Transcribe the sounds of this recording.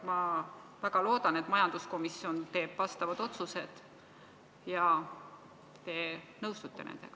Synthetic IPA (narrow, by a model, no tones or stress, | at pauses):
mɑvæɡ̥ɑlo̞ːd̪ɑnet̪ːˑmɑjɑnd̪̥usko̞misːio̞nt̪e̞ːb̥ːɑst̪ɑvɑd̪̥o̞t̪suse̞d̪̥ | jɑ | t̪e̞ | nɤwst̪ut̪ːe̞nḛd̪̥e̞̰ɡ̥ɑ